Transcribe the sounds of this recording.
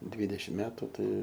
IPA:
ˈdʲʋʲiːdʲɛʃʲɪm ˈmʲæːtʊ ˈtɐɪ

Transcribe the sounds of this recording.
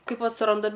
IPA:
ˈkɐɪp ɐtsˈrɐndɐ

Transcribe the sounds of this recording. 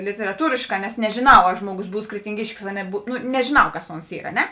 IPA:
lʲɪtʲɛrɐˈtuːrʲeːʃˌkɑː nʲɛs nʲɛʒʲeːˈnɐʊ ɐ ˈʒmoːˌɡʊs ˈbuːs krʲɛtʲɪŋʲˈɡʲɪʃʲkʲɪs ɐ nʲɛˈbʊ ˈnʊ nʲɛʒʲɪˈnɐʊ ˈkɐs ˈoːns ˈiːr ɐ ˈnʲɛ

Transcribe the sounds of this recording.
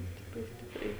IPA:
ˈsʲtʲɪpʲrʲɛɪ ˈsʲtʲɪpʲrʲɛɪ

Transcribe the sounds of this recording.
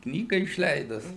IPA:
ˈknʲiːɡɐ ɪʃʲˈlʲɛɪdʊs

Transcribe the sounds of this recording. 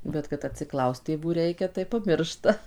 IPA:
bʲɛt kɐt ɐtʲsʲɪˈklˠɐʊst tʲeːˈʋuː ˈrʲɛɪkʲɛ tɐɪ pɐˈmʲɪrʃtɐ

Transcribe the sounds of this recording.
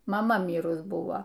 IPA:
mɐˈmɐ ˈmʲiːrʊs ˈbʊʋoː

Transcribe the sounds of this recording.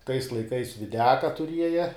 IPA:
tɐɪs lˠɐɪˈkɐɪs ʋʲɪˈdʲæːkɐ tʊˈrʲiɛjɛ

